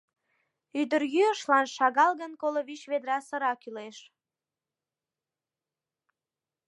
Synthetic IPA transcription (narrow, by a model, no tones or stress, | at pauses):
yd̪ərɣyəʃlɑnʃɑɣɑlɣənkoloβiʃβed̪ɾɑsəɾɑkyleʃ